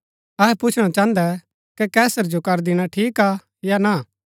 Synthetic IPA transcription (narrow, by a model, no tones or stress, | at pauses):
ɐɦɛpʊt͡ʃʰɽ̃at͡ʃãːnd̪ɛ | kɛkɛːsəɾd͡ʒokɐɾd̪ɪɽ̃aʈʰiːka | jana